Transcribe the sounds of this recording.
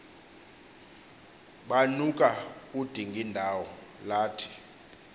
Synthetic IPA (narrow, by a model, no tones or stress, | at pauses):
ɓanukʼaud̥ʱiŋɡʱindʱawɔlaːtʰi̥